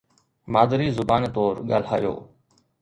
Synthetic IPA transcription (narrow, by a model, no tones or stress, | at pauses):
maːd̪əɾiːzʊbaːnt̪oːɾɠa̰ːl̤ɦa̰ːjo̰ː